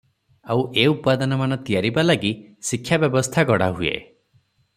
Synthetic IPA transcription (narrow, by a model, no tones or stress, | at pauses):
awʔeupad̪ɔnɔmanɔt̪ijaɾibalaɡisikʰːjabjɔbɔst̪ʰaɡɔɽa̰ɦuḛ